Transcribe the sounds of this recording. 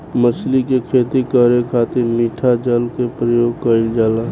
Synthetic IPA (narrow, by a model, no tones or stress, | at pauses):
məslikekʰeːt̪ikəɾekʰaːt̪ɪɾmiːʈʰad͡ʒəlkepɾəjoːɡ̚kəild͡ʒaːlaː